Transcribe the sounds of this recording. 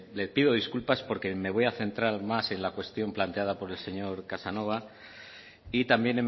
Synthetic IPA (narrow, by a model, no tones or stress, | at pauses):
lepiðo̞ðiskulpaspo̞ɾke̞me̞β̞o̞jaθe̞nt̪ɾaɾmase̞nlakwe̞st̪jo̞mplant̪e̞að̞apo̞ɾe̞lse̞ɲo̞ɾkasano̞β̞a | it̪ambje̞nem